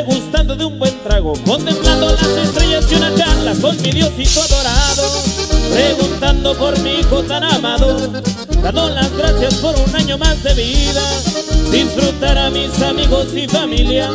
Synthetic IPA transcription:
ɣust̪and̪oðeumbwe̞nt̪ɾaɣ̞o̞ko̞nt̪e̞mpland̪olase̞st̪ɾe̞ʝasjunakanlako̞nmiðjo̞sikoðoɾaðopɾe̞ɣunt̪and̪o̞po̞ɾmiko̞t̪anamaðo | d̪and̪olazɣɾaθjaspo̞ɾunaɲo̞mazd̪e̞βiðad̪isfɾut̪aɾamisamiɣo̞sifamilja

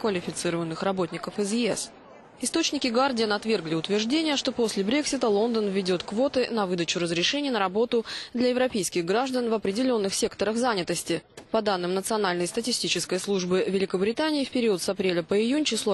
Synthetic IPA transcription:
kvəlʲɪfʲɪt̪sɨɾəvənːɨxrɐbo̞t̪ʲnʲɪkəfɪzjɪɛs | ɪst̪o̞t͡ɕnʲɪkʲɪɡardʲɪənɐt̪vʲe̞rɡlʲɪʊt̪vʲɪrʐdʲenʲɪjəʂt̪o̞po̞sʲlʲɪbɾʲe̞ksʲɪt̪əlˠo̞nd̪ənvʲːɪdʲo̞t̪kvo̞t̪ɨnɐvɨd̪ət͡ɕʊɾəzɾʲɪʂɛnʲɪjənəɾɐbo̞t̪ʊd̪lʲɐjɪvɾɐpʲejskʲɪɣɡɾaʐd̪ənvɐpɾʲɪdʲɪlʲo̞nːɨxsʲe̞kt̪əɾəxzanʲɪt̪əsʲtʲɪpɐd̪anːɨmnət̪sɨɐnalʲnəjst̪ətʲɪsʲtʲit͡ɕɪskəjslˠuʐbɨvʲɪlʲɪkəbɾʲɪt̪anʲɪːfpʲɪɾʲiʊət̪sɐpɾʲelʲəpəɪjunʲt͡ɕɪslˠo

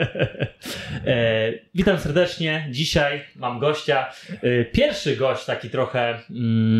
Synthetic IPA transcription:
vʲit̪amsɛɾd̪ɛt͡ʂɲɛd͡ʑiɕajmamɡɔɕt͡ɕapʲjɛɾfʂɘɡɔɕt͡ɕt̪akʲit̪ɾɔxɛ

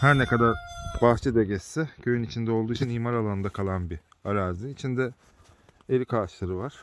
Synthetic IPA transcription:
hæɾnɛkad̪aɾbaxt͡ʃʰɯd̪ɛɟɛsːɛcʰø̞jynit͡ʃʰind̪ɛo̞lˠd̪uːit͡ʃʰiniːmaɾalˠanɯnd̪akʰalˠanbi | aɾaːziːt͡ʃʰind̪ɛ | eɾikʰaːʃlˠaɾɯvaɾ̥

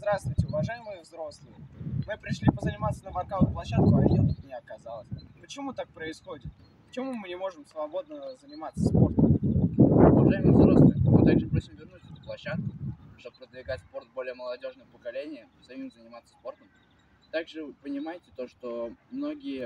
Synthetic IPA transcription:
zd̪ɾast̪vʊjtʲɪʊvɐʐajɪmɨjəvzɾo̞slˠɨjəmɨpɾʲɪʂlʲipəzənʲɪmat̪sənəbɐrkak̪plˠɐɕːat̪̚kʊɐvʲirnəmʲnʲaɐkɐzalˠəsʲpət͡ɕɪmut̪ak̚pɾəɪsxo̞dʲɪt̪̚ | ppə̥t͡ɕɪmumɨnʲɪmo̞ʐɨmsvɐbo̞d̪̚nəzənʲɪmat̪sːəspo̞rt̪əm | ʊvɐʐajɪmɨvzɾo̞slˠɨjmɨt̪aɡʐɨpɾo̞sʲɪmvʲɪrnusət̪əplˠɐɕːat̪̚kʊ | ʂt̪ob̚pːɾəd̪vʲɪɡatʲspo̞rt̪̚bo̞lʲɪjəməlˠɐdʲo̞ʐnəjəpəkɐlʲenʲɪjə | zɐmʲimzənʲɪmat̪sːə̥spo̞rt̪əm | t̪aɡʐɨpənʲɪmajɪtʲɪt̪o̞ʂt̪o̞mno̞ɡʲɪjə

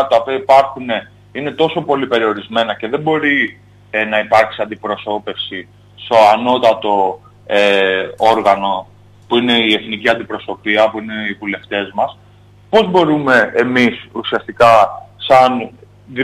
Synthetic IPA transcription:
t̪ɐpiɐipɐɾxune̞ | ine̞t̪o̞so̞po̞lipe̞ɾio̞ɾizme̞nɐce̞ðe̞mbo̞ɾi | nɐipɐɾksiɐnd̪ipɾo̞so̞pe̞fsi | st̪o̞ano̞t̪ɐt̪o̞ | eoɾɣɐno̞ | puine̞ie̞θniciɐnd̪ipɾo̞so̞piɐpuine̞ivule̞ft̪e̞zmɐs | po̞zbo̞ɾume̞ːmisusiɐst̪ikɐsɐn | ð

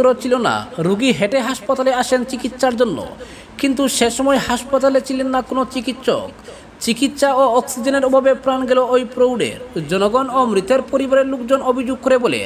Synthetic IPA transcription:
oɾot͡ɕʰilona̰ɾuɡiɦeʈeɦaʃpat̪aleaʃent͡ɕikit̪ːʃaɾd͡ʑonːo̰ | kint̪uʃeʃɔmɔehaʃpat̪alet͡ɕʰilenːakonot͡ɕikit̪ʃo̰k | t͡ɕikit̪ːʃaoɔksid͡ʑeneɾobʱabepɾanɡeloojpɾowɖḛɾd͡ʑɔnoɡɔnomɾit̪eɾpoɾibaɾeɾlukd͡ʑonobʱid͡ʑoɡ̚koɾebolḛ

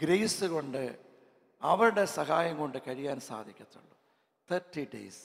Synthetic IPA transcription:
ɡɾejsɨko̞ɳɖɨ | ɐʋɐɾɨɽe̞sɐɦaːjɐŋko̞ɳɖɨkɐɻijaːnsa̰ːd̪ʱikʲːɐt̪ːṵɭːu | t̪ʰɐrtːiɖḛjs

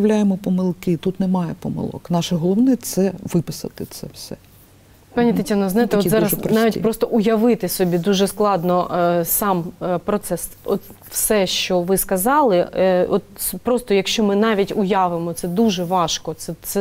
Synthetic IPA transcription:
wlʲajemɔpɔmɪlˠkɪt̪ut̪nɛmɑjɛpɔmɪ̰lˠɔ̰knɑʃɛɦɔlˠɔʋnɛt̪sɛʋɪpɪsɐ̰t̪ɪt̪sɛwsɛ | pɑnʲit̪ɐtʲanɔznɑjɪt̪ɛɔɑɾɐspnɑʋʲitʲpɾɔst̪ɔʔʊjɐʋɪt̪ɪsʲɔbʲid̪uʒɛsklˠɑd̪nɔsɑmpɾɔt̪sɛsɔt̪ | wsɛʃt͡ʃɔʋɪskɐzɑlˠɪɔt̪pɾɔst̪ɔjɐkʃt͡ʃɔmɪnɑʋʲitʲʊjɑʋɪmɔt̪sɛd̪uʒɛʋɑʃkɔsɛsɛ

